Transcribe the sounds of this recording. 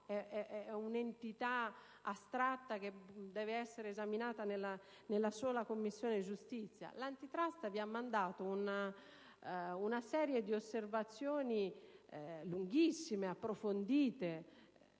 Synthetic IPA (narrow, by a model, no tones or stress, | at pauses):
ɛɛɛunent̪it̪a | ast̪ɾat̪ːaked̪ɛːveɛsːeɾeːzaminaːt̪anela | nelːasɔːlakomːisːjɔːned͡ʒust̪it̪sːja̰lant̪it̪ɾast̪aviamːand̪aːt̪ouna | unasɛːɾjed̪iosːervat̪sːjɔːni | luŋɡisːimeapːɾofond̪iːt̪e